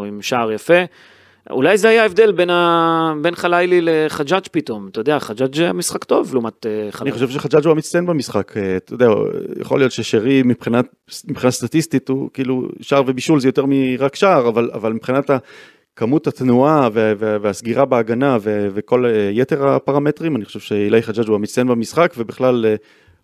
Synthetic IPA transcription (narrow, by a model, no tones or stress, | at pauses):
imʃaːʁjafe̞ | ṵlajzehajae̞vd̪elbenabe̞nχalajlileχad͡ʒat͡ʃpit̪o̞mt̪ajd̪eaχad͡ʒad͡ʒzeamisχakt̪o̞vluːmat̪eχaniχoʃevʃeχad͡ʒat͡ʃhuamit̪t͡stjenbemisχaket̪ojod̪eaja̰χo̞lijo̞t̪ʃeʃeʁimipχinat | mipχinast̪atist̪it̪ukiːlṵʃaːʁve̞biʃulzejo̞t̪eʁmiʁakʃaːʁavala̰valmipχinata | kamuthat̪nuaveveveasɡiʁabeaɡanaveveko̞lejeteʁapaʁame̞t̪ʁimaniχoʃevʃeilajχad͡ʒad͡ʒuamit͡sajenbamisχakve̞biχlale